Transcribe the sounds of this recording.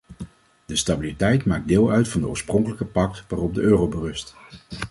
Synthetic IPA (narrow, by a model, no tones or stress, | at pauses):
dəstabilitɛjtmaːk̚dɪːlˠœɥtfɑndəo̰ːɹsprɔŋkələkəpɑk̚tʋaːrɔp̚dəʔøːrowbərɵst